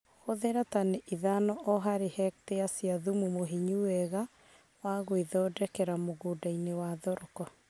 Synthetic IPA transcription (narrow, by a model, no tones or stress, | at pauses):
hoðeɾataneʔiðanɔʔɔɦaɾehɛk̚teasjaðumumoɦiɲuwɛɣa | waɣoiðɔdɛkɛɾamoɣodainewaðɔɾɔkɔ